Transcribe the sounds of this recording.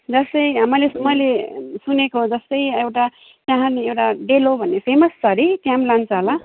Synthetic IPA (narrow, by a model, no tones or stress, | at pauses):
d͡zʌst̪ʌjmʌlesmʌjlesunekoɦod͡zʌst̪ʌjewʈa | t̪jãɦãniewʈaɖelobʱʌnːepʰemʌst͡sʌɾit̪jãmlant͡sʰʌɦola